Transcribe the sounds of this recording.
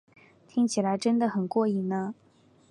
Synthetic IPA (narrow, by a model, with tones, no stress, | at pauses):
t̪ʰi˥ŋt͡ɕʰi˨˩la˧˥ɪʈ͡ʂə˥nd̪ə˨xə˨˩nkwɔ˥˧i˥˩nə˧